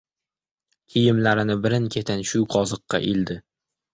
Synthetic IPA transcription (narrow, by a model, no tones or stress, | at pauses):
kʲʰijɪmlaɾɪnɪbɪɾɪnkʲʰe̞t̪ʰanʃʊqʰɒzɨqːɑ̰ʔild̪ɪ